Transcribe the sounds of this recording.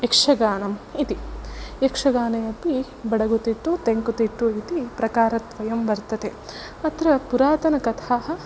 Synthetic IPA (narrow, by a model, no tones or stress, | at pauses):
ekʂɐɡaːnɐmit̪iekʂɐɡaːnɐjɐpi | bɐɽɐɡut̪iʈːut̪eŋkut̪iʈːuit̪ipɾɐkaːɾɐt̪ʋɐjɐmbɐɾt̪ɐt̪e | ɐt̪ɾɐpuɾaːt̪ɐnɐkɐt̪ʰaːɦɐ̆